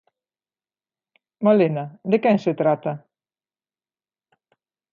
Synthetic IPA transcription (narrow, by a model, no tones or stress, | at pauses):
malenad̪ekɛŋset̪ɾat̪a